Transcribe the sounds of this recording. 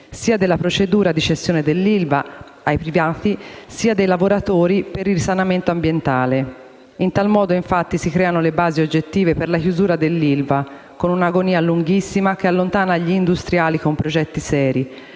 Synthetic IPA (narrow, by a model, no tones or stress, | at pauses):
siːad̪elːapɾot͡ʃed̪uːɾad̪id͡ʒest̪joːned̪elːilva | ajpɾivaːt̪isiːad̪ejlavoɾat̪oːɾipeɾirsanament̪oambjent̪aːle | int̪almɔːd̪oiɱfat̪ːisikɾɛːanolebaːziod͡ʒːet̪ːiːveperlakjuzuːɾad̪elːilva | konunaɡoniːaluŋɡisːimak̟ealːont̪aːnaʎːiːnd̪ust̪ɾjaːlikompɾod͡ʒɛt̪ːisɛːɾi